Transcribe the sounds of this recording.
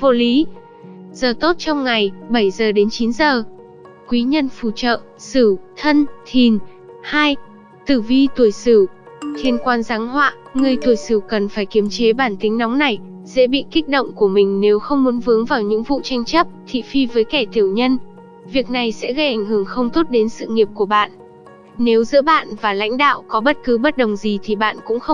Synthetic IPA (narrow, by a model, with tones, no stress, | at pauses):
vo˧˩li˨˦ | z̥əː˨˩t̪o˦˥t̚t͡ɕɔ˧wŋ͡mŋa˨˩jɓə˧˩jzəː˨˩ɗe˨˦nt͡ɕi˨˦nzəː˨˩ | kwi˨˦ɲə˧nfu˧˩t͡ɕə̰ː˧˨ | sɨ˧˩t̪ʰə˧nt̪ʰi˨˩n | haː˧j | t̪ɨ˧˩vi˧t̪u˧˩əjsɨ˧˩t̪ʰi˧˩ənkwaː˧nzaː˨˦ŋhwa̰ː˧˨ | ŋɨ˨˩əjt̪ʰu˧˩əjsɨ˧˩kə˨˩nfaː˧˩jki˨˦əmt͡ɕe˨˦ɓaː˧˩nt̪ï˨˦ŋ̟nɔ˨˦wŋ͡mna˨˩j | sɛ̰˧˥ɓḭ˧˨ki˦˥k̚ɗo̰˧˨wŋ͡mku˧˩əmï˨˩ŋ̟ne˨˦wxə˧wŋ͡mmu˨˦nvɨ˨˦əŋvaː˨˩wɲɨ̰˧˥ŋvṵ˧˨t͡ɕa˧jŋ̟t͡ɕə˦˥p̚t̪ʰḭ˧˨fi˧vəː˨˦jkɛ˧˩t̪ʰi˧˩əwɲə˧n | vi˨˩ək̚na˨˩jsɛ̰˧˥ɣə˧jʔa˧˩jŋ̟hɨ˧˩əŋxə˧wŋ͡mt̪o˦˥t̚ɗe˨˦nsɨ̰˧˨ŋi˨˩əp̚ku˧˩əɓa̰ː˧˨n | ne˨˦wzɨ̰˧˥əɓa̰ː˧˨nvaː˨˩la̰˧˥jŋ̟ɗa̰ː˧˨wkɔ˨˦ɓə˦˥t̚kɨ˨˦ɓə˦˥t̚ɗə˨˩wŋ͡mzi˨˩t̪ʰi˨˩ɓa̰ː˧˨nkʊ̰˧˥ŋ͡mxə˧w